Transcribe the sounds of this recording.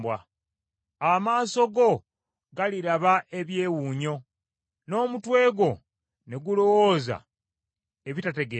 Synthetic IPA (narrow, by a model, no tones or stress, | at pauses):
bwa | amaːso̞ɡo̞ | ɡaliɾaβaʔe̞βje̞ːwuːɲo̞ | no̞ːmutwe̞ːɡo̞ | ne̞ɡulo̞woːza̰ | eβitate̞ɡe